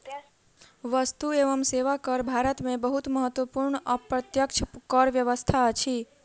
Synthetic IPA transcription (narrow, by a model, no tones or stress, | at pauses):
ʋəst̪ueʋəmseʋakəɾbʱaɾət̪mẽbəɦut̪məɦət̪ʋəpuɾɳəpɾət̪jəkt͡ʃʰəkəɾʋjəʋəst̪ʰaət͡ʃʰi